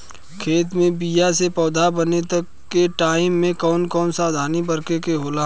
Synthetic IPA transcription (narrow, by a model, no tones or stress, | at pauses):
kʰeːt̪mẽbijasepɔːd̪ʱabənet̪ɐkːeʈaːɪmːẽkɔːnkɔːnsaːd̪ʱaːnibɐɾkekeɦoːlaː